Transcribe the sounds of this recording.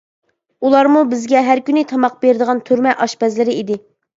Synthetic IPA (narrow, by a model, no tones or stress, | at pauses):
ulˠɑɾmubɪzɡʲɛɦæɾkʲynɪt̪ʰɑmɑq̚beɾɪd̪əʁɑnt̪ʰyɾmɛʔɑʃpɛzlɪɾɪid̪ɪ